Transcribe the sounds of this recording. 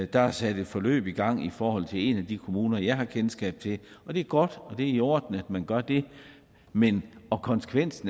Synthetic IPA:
d̥ɑ̈æsæd̥e̝d̥fɒ̽lø̰ːb̥iɡ̥ɑ̈ŋ̰ifɒːhɒ̽l̰t͡sʰe̝le̝næd̥ikʰo̝muːnɐjɑ̈ɪɦɑ̈kʰensɡ̥ɛ̰ːb̥̚t͡sʰe̝ɒ̽d̥e̝æɐɡ̥ɒ̽d̥ɒ̽d̥e̝iɒːd̥n̩æd̥mænɡ̥ɶɐd̥e̝ | menɒ̽kʰɒ̽nsə̥kʰʋen̰sn̩

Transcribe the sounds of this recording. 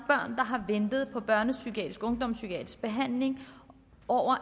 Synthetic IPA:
b̥ɶɐ̰nd̥ɑ̈ɦɑ̈ʋend̥ð̞̩ˠpʰɒ̽b̥ɶɐnəsyɡʰiɛ̰d̥ʁisɡ̥ɔ̽ŋd̥ɒ̽msyɡ̥iɛ̰d̥ʁisɡ̥̚b̥e̝ɦæn̰le̝ŋ | ɒʊ̰ɐ

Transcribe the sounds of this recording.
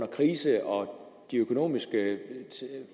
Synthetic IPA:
nɐkʰʁiːsəʔɒ̽ | d̥iøkʰo̝no̝̰ːmisɡ̥ə

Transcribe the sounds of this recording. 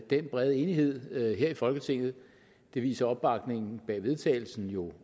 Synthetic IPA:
d̥enb̥ʁɛð̞ˠe̝ːniɦe̝ð̞̰ˠɦeɐ̰ifɒ̽lɡ̥ət͡sʰe̝ŋ̰ð̞̩ˠ | d̥e̝ʋḭːsɐɒ̽b̥ːɑ̈ɡ̥ne̝ŋn̩b̥ɛ̰ːʋe̝ð̞ˠt͡sʰɛ̰ːɪl̩sn̩jo̝

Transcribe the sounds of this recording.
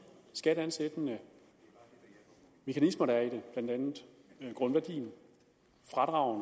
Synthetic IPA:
sɡ̥æɾ̥ænsed̥ənə | me̝kʰænismɐɾ̥ɑɐideb̥læn̰d̥ænð̩ˠ | ɡ̥ʁɔ̽nʋæɐd̥ḭːn | fʁɑ̈d̥ʁɑ̈ʊn

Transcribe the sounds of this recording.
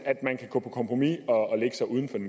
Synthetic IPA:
æd̥mænkʰæɡ̥ɔ̰̽ːpʰɒ̽kʰɒ̽mpʰʁomiɒleɡ̥əsɑ̈ɪuð̞ˠn̩fɒ̽den

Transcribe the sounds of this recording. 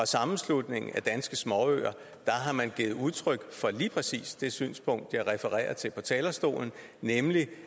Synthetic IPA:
ɒ̽sɑ̈mn̩slud̥ne̝ŋ̩æd̥ænsɡ̥əsmɒø̰ːɐ | d̥ɑ̈ɦɑ̈mænɡ̥iːð̩ˠuðˠt͡sʰʁœɡ̥fɒ̽liːpʰʁɛsḭːsd̥e̝sy̰ːnspʰɔ̽ŋ̰d̥jɑ̈ɪʁɛfəʁɛ̰ːɐt͡sʰe̝lpʰɒ̽t͡sʰɛːlɐsd̥o̝̰ːln̩nemli

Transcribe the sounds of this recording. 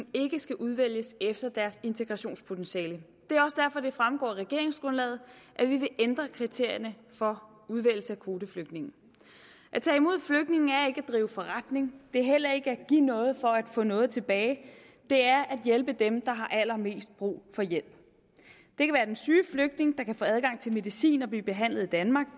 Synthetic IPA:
e̝ɡ̥əsɡ̥æʔuð̞ˠʋel̰jəsefd̥ɐd̥æɐse̝nt͡sʰe̝ɡ̥ʁɑ̈ɕo̝̰ːnspʰo̝t͡sʰenɕɛːlə | d̥e̝æɐɒ̽səd̥æɐfɒ̽d̥e̝fʁamɡ̥ɒ̰ːʁɛɡ̥e̝ɐ̰e̝ŋsɡ̥ʁɔ̽nlɛ̰ːð̩ˠʔæʋiʋe̝ʔend̥ʁɐkʰʁit͡sʰe̝ɐ̰jɐnə | fɒ̽ | uð̞ˠʋel̰̩səækʰo̝ːd̥əfløɡ̥d̥ne̝ŋn̩ | ʔæt͡sʰɛ̰ːimo̝ð̰ˠfløɡ̥d̥ne̝ŋn̩æɐe̝ɡ̥æd̥ʁiːʊəfɒ̽ʁad̥ne̝ŋd̥e̝æɐɦel̰ɐe̝ɡ̥əæɡ̥inɔ̽ːð̞̩ˠfɒ̽æd̥fɔ̰̽ːnɔ̽ːð̞̩ˠt͡sʰe̝b̥ɛːɪ | d̥e̝æɐʔæd̥jelb̥əd̥emd̥ɑ̈ɦɑ̈ʔælɐme̝̰ːsd̥̚b̥ʁṵːfɒ̽jel̰b̥ | d̥e̝kʰæʋæːɐd̥ensyːfløɡ̥̚d̥ne̝ŋd̥ɑ̈kʰæfɔ̰̽ːæð̞ˠɡɑ̈ŋ̰t͡sʰe̝lme̝ðisḭːnɒ̽b̥liːb̥e̝ɦæn̰lð̩ˠid̥ænmɑ̈ːɡ̥

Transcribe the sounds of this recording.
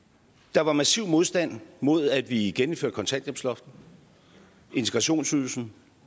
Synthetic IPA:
d̥ɑ̈ʋɑ̈mæsiʊ̰moð̞ˠsd̥æn̰mo̝ð̞̰ˠæd̥ʋiɡ̥enm̩føɐ̰d̥̚əkʰɒ̽nt͡sʰæn̰d̥jemslɒ̽fd̥̚n̩ | e̝nt͡sʰe̥ɡ̥ʁɑ̈ɕo̝̰ːnsyðˠl̩sn̩

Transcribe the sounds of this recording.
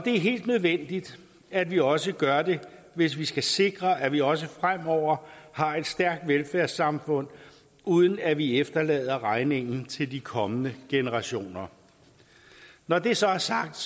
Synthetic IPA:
ɒ̽d̥e̝æɐɦe̝̰ːld̥nøð̞ˠʋen̰d̥id̥ | ædʋiɒ̽səɡ̥ɶɐde̝ | ʋe̝s̬ʋisɡ̥æse̝ɡ̥ʁɐʔæʋiɒ̽səfʁam̰ɒʊ̰ɐhɑ̈e̝d̥sd̥æɐɡ̥̚d̥ʋelfæɐsːɑ̈mfɔ̽n̰ | uːð̞ˠən̩æʋiefd̥ɐlɛ̰ːð̞ˠɐʁɑ̈ɪne̝ŋ̰n̩t͡sʰe̝ld̥ikʰɒ̽mənəɡ̥e̝nəʁɑ̈ɕo̝̰ːnɐ | nɒd̥e̝sɒ̽æɐsɑ̈ɡ̥̚d̥

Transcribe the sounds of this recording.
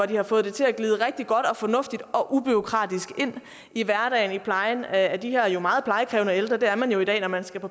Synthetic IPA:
ɒd̥ihɑ̈fɔ̽ːð̩ˠd̥e̝t͡sʰe̝læɡ̥liːðˠəʁɛɡ̥̚d̥iɡ̥ɒ̽d̥ɒ̽fɒ̽nɔ̽fd̥id̥ɒ̽ʔub̥yo̝kʰʁɑ̰̈ːd̥isɡ̥e̝n̰ | iʋæɐɾ̥ɛ̰ɪnipʰlɑ̈ɪnæd̥iheɐ̰jo̝mɑ̈ːð̩ˠpʰlɑ̈ɪəkʰʁɛːʊnəeld̥ʁɐd̥e̝æɐmænjo̝idɛ̰ːnɒmænsɡ̥æpʰɒ̽

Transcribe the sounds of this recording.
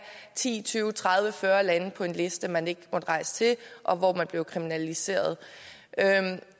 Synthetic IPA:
t͡sʰḭːt͡sʰyːʊt͡sʰʁɑ̈ð̞ˠʋəfɶːɐlænəpʰɒ̽e̝nle̝sd̥əmæne̝ɡ̥əmɒ̽d̥əʁɑ̈ɪsə̥t͡sʰe̝lʔɒ̽ʋɒ̰mænb̥le̝ʊkʰʁiminælise̝̰ːɐð̞ˠø

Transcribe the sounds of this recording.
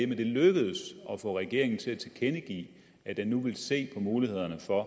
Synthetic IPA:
mend̥e̝løɡ̥əð̩ˠsɒ̽fɒ̰̽ʁɛɡ̥e̝ɐe̝ŋn̩t͡sʰe̝æt͡sʰekʰenəɡ̥ḭː | æd̥enːuʋe̝lse̝̰ːpʰɒ̽muːlihe̝ð̞̰ˠɐnəfɒ̽

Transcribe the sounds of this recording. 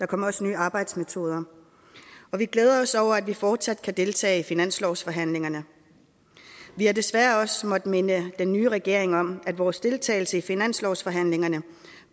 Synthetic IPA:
d̥ɑ̈kʰɒ̽m̰ɐɒ̽sənyːɑ̈ːb̥ɑ̈ɪd̥smet͡sʰo̝ːð̞ˠɐ | ɒ̽ʋiɡ̥leːð̞ˠɐɒ̽sɒʊ̰ɐæd̥ʋifɒːd̥sæd̥̚kʰæd̥e̝lt͡sʰɛ̰ːɪifinæn̰slɒʊsfɒ̽ɦæn̰le̝ŋɐnə | ʋihæ̈d̥e̝sʋæɐɒ̽smɒ̽d̥menəd̥enːyːʁɛɡ̥e̝ɐ̰e̝ŋɒ̽m̰æd̥ʋɒːsd̥e̝lt͡sʰɛ̰ːɪl̩səifinæn̰slɒʊsfɒ̽ɦæn̰le̝ŋɐnə

